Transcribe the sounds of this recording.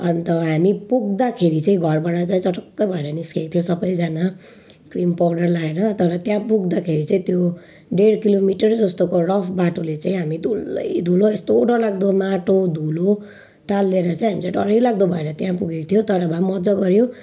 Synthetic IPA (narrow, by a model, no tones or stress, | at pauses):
ʌnt̪ʌɦamipuɡ̚d̪akʰeɾit͡saĩɡʱʌrbaɽat͡saĩt͡sʌʈʌkːʌjbʱʌeɾʌniskekot̪ʰjosʌbʌjd͡zana | krimpawɖʌrlaeɾʌt̪ʌɾʌt̪jãpuɡ̚d̪akʰeɾit͡saĩt̪jo | ɖeɽkilomiʈʌrd͡zʌst̪okorʌpʰbaʈolet͡saĩɦamid̪ʱulːʌ̰jd̪ʱuloest̪oːʈʌlaɡ̚d̪omaʈod̪ʱulo | ʈalːeɾʌt͡saĩɦamit͡sãɖʌ̰ɾʌjlaɡ̚d̪obʱʌeɾʌt̪jãpuɡeko̥t̪ʰjot̪ʌɾʌbʱamʌd͡zʌɡʌɾjõ